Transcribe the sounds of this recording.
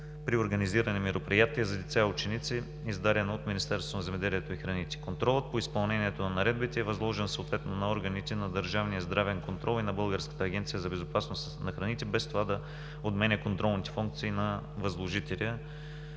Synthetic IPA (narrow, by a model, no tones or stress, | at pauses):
pɾioɾɡɐniziɾənɛmɛɾopɾijat̪iəzɐd̪it̪sʲaʊt͡ʃɛnit̪si | izd̪aɾʲɐnot̪minist̪ɛɾst̪vonɐzɛmɛd̪ɛliɛt̪oixɾɐnit̪ʲɛ̥kont̪ɾɔlˠət̪̚poispɐlˠnɛniɛt̪onɐnɐɾɛd̪bit̪ɛːvɐzlˠɔʒɛnsoːt̪vɛt̪nonɐɔɾɡənit̪ɛnɐd̪əɾʒavnijəzd̪ɾavɛnkont̪ɾɔlˠinɐbɤlˠɡəɾskə̥t̪əːɡʲɛnt̪sijəzɐbɛzopasnos | nɐxɾɐnit̪ɛbɛst̪ovad̪ɐ | od̪mɛnʲɛkont̪ɾɔlˠnit̪ɛ̥fuŋk̚t̪siːnɐ | vɐzlˠoʒit̪ɛliə